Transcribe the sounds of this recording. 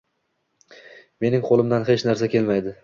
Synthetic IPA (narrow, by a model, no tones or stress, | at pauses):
me̞nɪŋqʰolˠɪmd̪anɦet͡ʃnaɾsakʲʰe̞lmajd̪ɪ